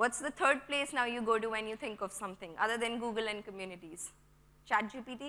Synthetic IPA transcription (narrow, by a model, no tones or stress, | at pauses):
ʋɔʈsd̪ət̪ʰəːɾɖ̚pleːsnaʊjuːɡoːʈuʋɛ̃njuːt̪ʰɪ̃ŋkɔʋsʌ̃mt̪ʰɪ̃ŋʌ̰d̪əɾd̪ɛ̃nɡuːɡəlɛ̃ɳɖ̚kəmjuːnɪʈiz̥ | t͡ʃaːʈ̚d͡ʒiːpiːʈi